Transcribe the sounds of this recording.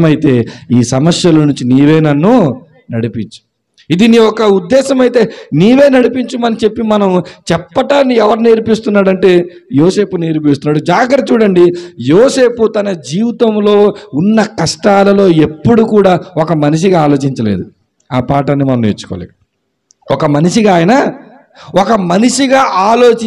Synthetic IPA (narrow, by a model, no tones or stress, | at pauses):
mɐjit̪e̞ːiːsɐmɐsjɐlɐnuɲt͡ʃiniːʋeːnɐnːu | nɐɽipiɲt͡ʃu̥ | id̪iniɔkɐud̪ːɛːʃɐmɐjit̪e̞ːniːʋe̞ːnɐɽipiɲt͡ʃumɐnit͡ʃe̞pːimɐnɐmt͡ʃɛpːɐʈaːniɛʋɐɾne̞ːɾpist̪unːaːɽɐɳʈe̞ː | joːse̞ːpune̞ːɾp̬ist̪unːaːɽud͡ʒaːɡɾɐt̪t͡ʃuːɽɐɳɖijoːse̞ːput̪ɐnɐd͡ʒiːʋit̪ɐmlo̞ːunːɐkɐʂʈaːlɐlo̞ːe̞pːuɽukuːɽaːɔkɐmɐniʂ̬iɡaaːlo̞ːt͡ʃiɲt͡ʃɐlḛːd̪u | aːpaːʈɐnːimɐnɐmnet͡ʃːu̥kɔ̰ːlḛː | ɔkɐmɐniʂiɡaːjɐnɐ | ɔkɐmɐniʂiɡaːʔaːlo̞ːt͡ʃ